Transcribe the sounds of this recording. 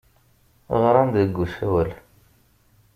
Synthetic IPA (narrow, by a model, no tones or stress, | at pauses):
ʁɾˤɑnd̪əɡːusæwəl